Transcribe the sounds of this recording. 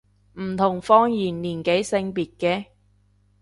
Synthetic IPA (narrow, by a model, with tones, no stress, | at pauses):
m̩˨˩t̪ʰʊ˨˩ŋfɔː˧˥ŋjiː˨˩nliː˨˩nke˨˥jsɪ˧ŋpiː˨t̚kɛː˧